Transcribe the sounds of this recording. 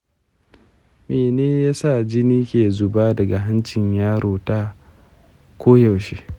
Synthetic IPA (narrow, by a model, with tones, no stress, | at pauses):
meː˨neː˦jaː˦sa˦˨d͡ʒɪ˦niː˦kʲeː˨zʊ˨baː˦dɐ˨ɡa˨ɦa˦nt͡ʃɪ˨ɲjaː˦ɽoː˨taː˦ | kʷoː˦ja˨wʃeː˦